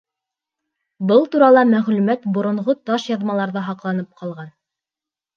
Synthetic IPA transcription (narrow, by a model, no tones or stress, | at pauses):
bɤlˠt̪uɾɑlˠɑmæʁlʉmæt̪bŏɾŏɴʁot̪ɑʃjɑðmɑlˠɑɾðɑɦɑqlˠɑnɤp̚qʰɑlˠʁɑn